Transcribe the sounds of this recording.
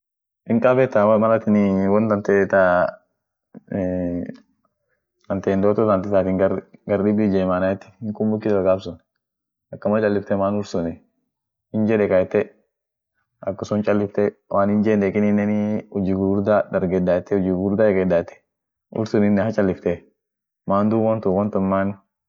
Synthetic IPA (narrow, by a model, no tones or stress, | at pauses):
ɪŋkʼabɛt̪ːamɐlɐt̪ɪnɪwɔnt̪ɐnt̪ɛt̪a | ɐnt̪eːnd̪oːt̪ɔt̪ant̪ɪt̪aːt̪ɪŋɡɐɾɡɐɾdɪbid͡ʒɛːmaːnaɛt̪ːɪ̥hɪŋkʼʊmbʊkːɪsɐɡaːbsʊn | ɐkːɐmɐt͡ʃʼɐlːɪft̪ɛmaːnʊɾsʊnɛ | hɪnd͡ʒɛᶑɛkʼɐjɛt̪ːɛ | ɐkːʊsʊnt͡ʃʼɐlːɪft̪ɛwʔaːnhɪnd͡ʒɛːnɛkɪnɪnːɛnɪɔd͡ʒɪɡuːɾd̪ad̪ɐɾɡɛd̪ːaːt̪ːɛɔd͡ʒɪɡuɾd̪aɐɾɡɛd̪ːaːt̪ːɛ̥ | ʊ̰ɾsʊnɪnːɛhɐt͡ʃʼɐlːɪft̪ɛ | maːnd̪uːbɔnt̪ʊwɔnt̪ʊnmaːn